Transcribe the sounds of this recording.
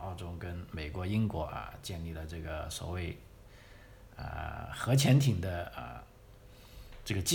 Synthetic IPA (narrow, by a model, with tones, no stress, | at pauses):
ɑ˥˩ʊʈ͡ʂo˥ʊkə˥nme˨˩ɪkwɔ˧˥i˥nkwɔ˧˥ʔə̰˧t͡ɕjɛ˥˧nli˥˩lə˩ʈ͡ʂɤ˥˩ɡə˩swɔ̰˨˩we˥˧ɪ | ə̰˧˩xɤ˧˥t͡ɕʰjɛ˧˥nt̪ʰi˨˩ŋd̪ə˦ə̰˧˩ | ʈ͡ʂɤ˥˩ɡə˩t͡ɕi˥